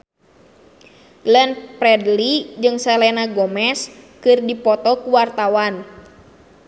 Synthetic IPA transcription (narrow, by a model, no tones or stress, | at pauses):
lɛnpɾɛdlid͡ʒɨŋsɛlɛnaɡɔmɛskɨrdipɔt̪ɔkuwart̪awan